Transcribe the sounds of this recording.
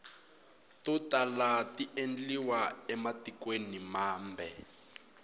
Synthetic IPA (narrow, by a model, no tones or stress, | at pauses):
tutalatiʔend͡ɮiwaɛmatikwenimaːmbɛ